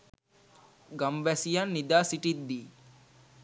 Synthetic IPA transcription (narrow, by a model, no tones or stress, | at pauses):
ɡamʋæsijanːid̪aːsiʈid̪ːiː